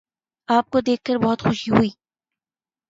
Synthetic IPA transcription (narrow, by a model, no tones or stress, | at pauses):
aːp̚kod̪eːk̚ʰkəɾbɔɦʊt̪xʊʃiɦuiː